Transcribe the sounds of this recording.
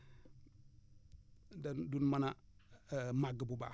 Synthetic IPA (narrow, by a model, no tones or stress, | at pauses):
dandunmana | maɡəbuba̰